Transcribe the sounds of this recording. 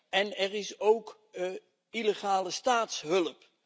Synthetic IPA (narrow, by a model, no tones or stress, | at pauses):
ɛnɛrɪsowk | ileχaːləstaːtsɦɵləp